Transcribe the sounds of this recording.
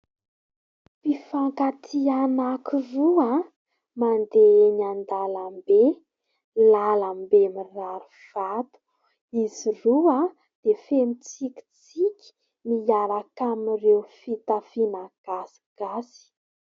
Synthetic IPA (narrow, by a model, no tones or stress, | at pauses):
pifaŋkat̪ʰianakirua | mand̪eenand̪alambe | lalambemiraɾuv̥at̪u̥ | izirua | d̪̥efemit͡sikʲi̥t͡s | ikʲi̥ | miaɾakamirewfit̪afinaɡ̥asi̥ɡ̥asi̥